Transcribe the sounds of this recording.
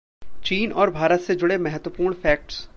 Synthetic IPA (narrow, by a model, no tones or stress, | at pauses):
t͡ʃiːnɔːɾbʱaːɾət̪sed͡ʒʊɽemɛɦət̪wəpuːɾɳ̃fɛːk̚ʈs